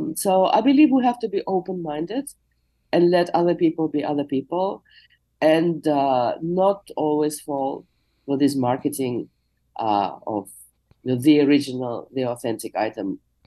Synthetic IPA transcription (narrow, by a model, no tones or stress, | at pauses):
soʊʔa̰ɪbɨlivwiɦæftɨbiʔoʊpə̃nmãɪ̃ndɪd | ʔɨ̃nlɛɾʌðə˞pipəl̩ˠbiʔʌðə˞pipl̩ˠ | ɨ̃n | nətɔlˠwiz̥fɔlˠ | fə˞ðɪsmɑɹkɨtɪ̃ŋ | ʔɔ̰v | jnoðiəɹɪd͡ʒɨnəl̩ˠðiɔθɛ̃ntɪka̰ɪtə̃m